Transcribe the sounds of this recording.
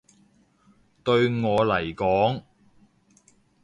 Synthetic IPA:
t̪ɵ˧ɥŋɔː˨˧lɐ˨˩jkɔː˨˥ŋ

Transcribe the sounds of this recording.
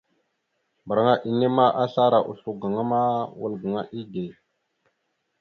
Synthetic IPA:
mbə˨ɾa˨ŋa˦ʔi˨ne˦ma˦ʔa˦ɬa˦ɾa˨ʔṵ˨ɬu˦˨ɡa˨ŋa˦ma˦wə˦lɡa˨ŋa˦ʔi˦ɡe˨

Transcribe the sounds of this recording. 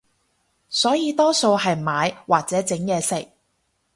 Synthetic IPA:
sɔː˨˥jiː˨˧t̪ɔː˥so˧wɦɐ˨jmaː˨˧jwaː˨t̚t͡sɛː˨˥t͡sɪ˨˥ŋjɛː˨˧sɪ˨k̚

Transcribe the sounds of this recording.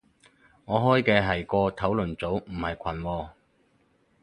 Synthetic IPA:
ŋɔː˨˧ɦɔː˥jkɛː˧ɦɐ˨˩jkɔː˧t̪ʰɐ˨˥wlɵ˨˩nt͡so˨˥wm̩˨˩hɐ˨˩jkʷʰɐ˨˩nwɔː˧

